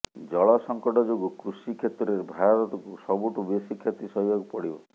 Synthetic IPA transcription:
d͡ʒɔɭɔsɔŋkɔʈɔd͡ʒoɡukɾusikʰet̪ɔɾeɾbʱaɔɾɔt̪ɔkusɔbuʈubesikʰjet̪isɔɦijɔɡpɔɽibɔ̰

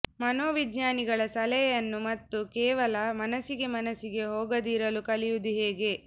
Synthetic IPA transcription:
mɐnoːʋid̪ɲaːniɡɐɭɐsɐlɛjɐnːumɐt̪ːukɛːʋɐlɐmɐnɐsiɡe̞mɐnɐsiɡe̞ɦoːɡɐd̪iɾɐlukɐlijud̪uɦeːɡe̞

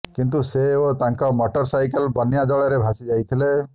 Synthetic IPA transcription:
kint̪̬useot̪aŋkɔmɔʈɔɾsajkelbɔnjad͡ʒɔɭɔɾebʱasid͡ʒajt̪ʰile

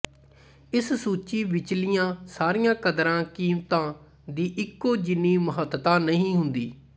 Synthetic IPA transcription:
ɪssuːt͡ʃiːʋɪt͡ʃlɪjãːsaːɾijãːkəd̪ɾãːkiːmt̪ãː | d̪iːʔɪkːoːd͡ʒɪniːməɦət̪t̪ãːnəɦĩːɦʊnd̪iː

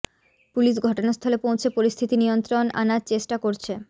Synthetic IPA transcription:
puliʃɡʱɔʈonast̪ʰɔlepowt͡ɕʰepoɾist̪ʰit̪inijont̪ɾona̰naɾt͡ɕeʃʈakoɾt͡ɕʰe

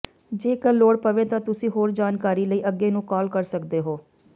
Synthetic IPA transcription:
d͡ʒeːkəlːoːɽpəʋẽːt̪ãːt̪ʊsĩːɦoːɾd͡ʒaːnkaːɾiːləiːʔəɡeːnũːkɔːlkəɾsəkd̪eːɦoː

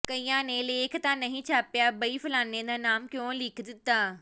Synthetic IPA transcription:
kɐiːjãneːleːkʰt̪ãnɐɦĩt͡ɕʰaːpijabɐifɪlaːnːẽd̪aːnaːmkjõːliːkʰd̪ɪt̪aː

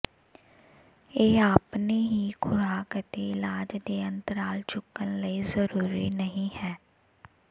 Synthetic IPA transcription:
eːaːpneːɦiːkʰʊɾaːkət̪eːɪlaːd͡ʒd̪eːənt̪əɾaːlt͡ʃʰʊkːənləiːzəɾuːɾiːnəɦĩːhɛː

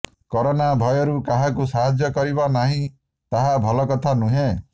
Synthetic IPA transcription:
kɔɾɔnabʱɔjɔɾukaɦakusaɦad͡ʒjɔkɔɾibɔnaɦĩ | t̪aɦabʱɔlɔkɔt̪ʰanuɦẽ

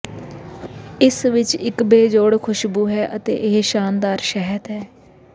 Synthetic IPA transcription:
ɪsʋɪt͡ʃɪkbeːd͡ʒoːɽkʰʊʃbuːɦɛːʔət̪ḛːʔɪɦʃaːnd̪aːɾʃɛɦət̪ɦɛː

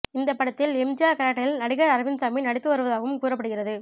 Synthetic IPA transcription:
ɪnd̪ɐpːɐɽɐt̪ːɪlɛmd͡ʒɪjaːkɐɾaːʈːɐɪlnɐɽɪɣɐɾɐɾɐʋɪnsaːminɐɽɪt̪ːɯʋɐɾɯʋɐðaːɣɐʋɯmkuːɾɐpːɐɽɯɣɪrɐðɯ

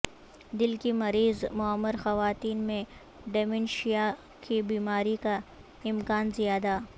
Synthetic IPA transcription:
d̪ɪlkimɐɾiːzmʊəmːɪɾxɐʋaːt̪iːnmẽ | ɖemɪnʃija | kibiːmaːɾika | ɪmkaːnzijaːd̪a

